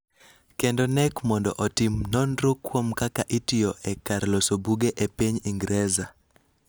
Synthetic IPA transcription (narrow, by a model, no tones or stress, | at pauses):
kendonɛkmɔndɔ̰ʔɔtimnɔnɾukwomkakaʔitiɔʔɛkaɾlosobuɡeʔepiɲiŋɡɾɛza